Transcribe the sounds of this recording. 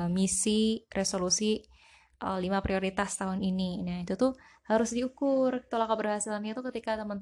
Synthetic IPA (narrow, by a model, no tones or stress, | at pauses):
misirʔesolusi | ʔə̰limapɾioɾit̪ast̪aɦʊnininait̪ut̪ʊhaɾʊsdiukʊrt̪olakabərɦasɪlamɲat̪ukət̪ikat̪əmənt̪